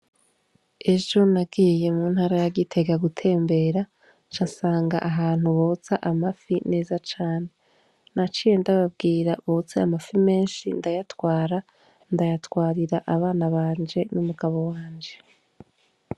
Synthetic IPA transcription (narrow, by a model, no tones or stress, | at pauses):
e̞ʒo̞nabɡiːje̞muːnhaːɾajaɡitʰe̞ɡaɡutʰe̞ːmbe̞ːɾa | t͡ʃasaːŋɡa̰ʔaɦaːn̥huβot͡saʔamafine̞ːzat͡ʃaːne̞ | nat͡ʃijendaβab̚ɡiːɾaβot͡seamafime̞ːnʃḭndajatwaːɾa | ndajatwaːɾiɾaʔaβaːnaβaːnd͡ʒe̞numuɡaβo̞waːnd͡ʒe̞